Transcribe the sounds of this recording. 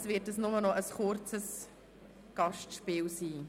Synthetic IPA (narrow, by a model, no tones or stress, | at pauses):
svɪtəsnʊmənɔʔəsχʊɾt͡səs | ɡ̥ɑʃtʃpiːlsiː